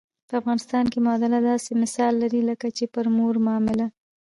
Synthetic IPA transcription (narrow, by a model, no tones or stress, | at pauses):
pəafɣɑnɪst̪ɑnkemɑd̪alad̪ɑsemɪsɑlːaɾiləkat͡ʃepəɾmoɾmːmɪla